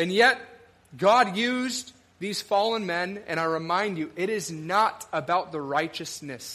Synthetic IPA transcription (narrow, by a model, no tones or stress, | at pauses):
ɨ̃njɛt̚ | ɡ̥ɑdjʉz | ðiz̥fɔlˠə̃nmɛ̃nɨ̰̃ɾ̃aɪɹɨmãɪ̃nd͡ʒɨʔɪɾɪznəɾəbaʊt̪̚ðəɹaɪt͡ʃɨsnɨs